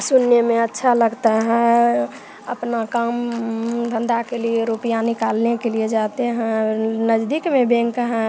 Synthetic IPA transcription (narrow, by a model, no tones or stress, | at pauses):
sunːemẽətːʃʰaləɡt̪aɦɛ̃ | əpnakəmd̪ʱə̃nd̪akelieɾupijanikalnekelied͡ʒat̪eɦɛ̃nəd͡ʒd̪ikmẽbẽŋkɦɛ̃